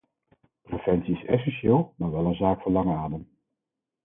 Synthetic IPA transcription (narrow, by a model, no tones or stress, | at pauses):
prəfɛnsiɪsɛ̰s̬ɛnʃeːlˠmaːɹʋɛlˠənzaːkfʊnlɑŋaːdəm